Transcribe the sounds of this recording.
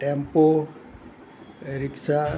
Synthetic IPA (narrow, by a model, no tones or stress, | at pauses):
ʈɛmpo | ɾiksa